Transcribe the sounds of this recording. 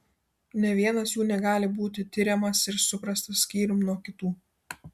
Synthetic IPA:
nʲɛʋʲiɛnɐsjuːnʲɛɡɑːlʲɪbuːt̪ʲɪt̪ʲɪɾʲɛmɐsɪɾsʊpɾɐst̪ɐssʲkʲiːɾʲʊmnuɔkʲɪt̪uː

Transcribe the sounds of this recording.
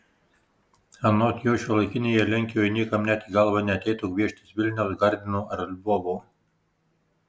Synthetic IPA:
ɐnot̪ʲjoːt͡ʃʲoːlˠɐkʲɪnʲejɛlʲæŋʲkʲɪjoːjnʲiɛkɐmnʲæt̪ʲiɡɑlˠʋɐnʲɛɐt̪ʲɛːt̪ukʋʲiɛʃʲt̪ʲɪsʲʋʲɪlʲnʲɛʊsɡɑɾʲd̪ʲɪnuʔɐɾɐlʲbuɔbo

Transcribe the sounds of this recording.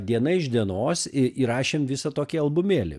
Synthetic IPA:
d̪ʲiɛnɐɪʃd̪ʲiɛnoːsɪiːɾɑːʃʲeːmʋʲɪsɐt̪oːkʲɪɐlˠbʊmʲeːlʲɪ̰

